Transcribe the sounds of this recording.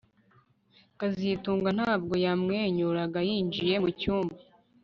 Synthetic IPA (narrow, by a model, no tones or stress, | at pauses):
kazituːŋɡan̥haːbɡo̞jamŋeːɲuɾaɡajiːnd͡ʒije̞mucuːmba